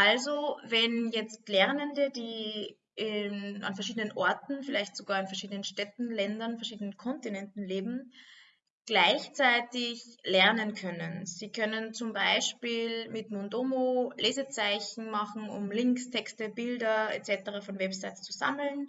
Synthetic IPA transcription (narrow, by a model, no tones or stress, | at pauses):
ʔalzovɛnjɛt͡stlɛʁnəndədiː | ʔɪna̰nfɛɐʃ̬iːdənənʔɔɐtn̩fɪlaɪçtz̥oɡaːɐɪnfɛɐʃiːdənənʃtɛtn̩lɛndɐnfɛɐʃiːdənənkʰɔntinɛntn̩leːbm̩ | ɡ̥laɪçt͡saɪtɪçlɛɐnənkʰœnənz̥iːkʰœnənt͡sʊmbaɪʃpiːlmɪtmondoːmoleːzət͡saɪçn̩maχn̩ʊ̰mlɪŋkstʰɛkstəbɪldɐḛt͡sɛtəʁafɔnvɛpsaɪtt͡suza̰ml̩n